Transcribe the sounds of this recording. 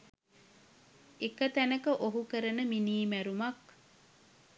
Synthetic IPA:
ekət̪ænəkəʔoɦukəɾənəminiːmæɾumɐk

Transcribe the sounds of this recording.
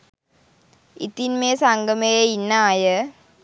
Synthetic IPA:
it̪inmeːsaŋɡəmejeinːaːjə

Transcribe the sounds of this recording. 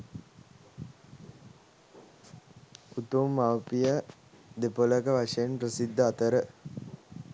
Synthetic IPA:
ut̪umːaʋpijə | d̪epoləkəʋaʂejenpɾəsid̪ːəat̪əɾə

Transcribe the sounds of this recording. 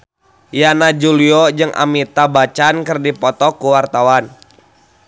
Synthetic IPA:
janad͡ʒuliɔd͡ʒɨŋʔa̰mit̪abat͡ʃankərdipɔt̪ɔkuwart̪awan

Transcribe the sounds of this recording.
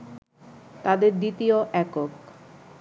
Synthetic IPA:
t̪ad̪eɾd̪it̪ioʔɛkok

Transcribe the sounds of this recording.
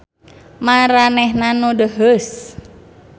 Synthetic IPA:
maɾanɛhnanodəɦəs

